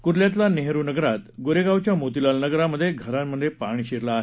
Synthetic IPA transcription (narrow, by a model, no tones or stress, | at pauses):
kuɾljat̪̬laneɦɾunəɡɾat̪ɡoɾeɡawt͡ɕjamot̪ilalnəɡɾaməd̪ʱːjeɡʱəɾammːəd̪ʱːjepaɳ̃iːɕeɾlaːɦe